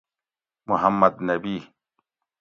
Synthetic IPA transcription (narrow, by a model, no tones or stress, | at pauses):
mʊɦamːɐd̪nɐbiː